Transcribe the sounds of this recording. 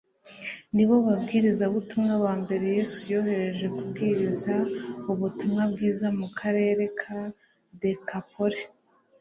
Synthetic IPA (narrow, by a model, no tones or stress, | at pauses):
niβo̞βabɡiːɾizauβutumŋaβaːmbe̞ɾe̞je̞ːsujo̞ːhe̞ɾe̞ʒe̞kubɡiːɾizauβutumŋabɡiːzamukʰaɾe̞ːɾe̞kʰa | de̞kapo̞ɾi